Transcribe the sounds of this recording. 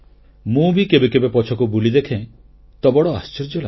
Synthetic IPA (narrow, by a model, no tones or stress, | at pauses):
mũbikebekebepɔt͡ʃʰɔkubulid̪ekʰẽ | t̪ɔbɔɽɔa̰st͡ʃeɾd͡ʒɔla̰